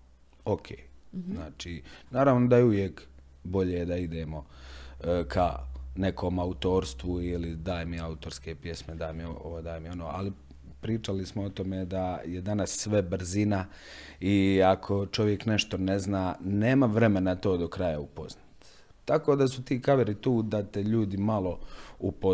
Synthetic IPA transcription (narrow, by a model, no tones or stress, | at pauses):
okʰeːznaːt͡ʃiːnaːɾaʋnod̪ajeuʋjeːk | bo̞ʎed̪aid̪eːmo̞ | kʰa̰ne̞kʰoːmaut̪o̞ːɾst̪ʋuilid̪aːjmiaut̪oɾskeːpje̞smed̪aːjmio̰od̪aːjmio̞noːʔa̰li | pɾiːt͡ʃalismoot̪o̞med̪ajed̪anasːʋe̞bɾ̩zina | iakʰo̞t͡ʃo̞ʋje̞kneʃt̪o̞neznaːneːmaʋɾe̞me̞nat̪o̞ːd̪okɾajaupoznat̪ | t̪ako̞ːd̪asut̪iːkaʋeɾit̪uːd̪at̪eʎuːd̪imalo̞upo